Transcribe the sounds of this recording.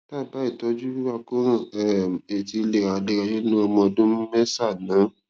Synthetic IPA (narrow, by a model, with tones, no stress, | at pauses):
ta˦˨ba˨˦i˦˨tɔ˧˦d͡ʒu˦i˦wa˧kõ˦˨ɛ˦˨e˨ti˧le˨a˨de˧a˧ji˦nũ˦ɔ˧mɔ̃˧dũ˦m˦mɛ˦sa˦˨nã˨˦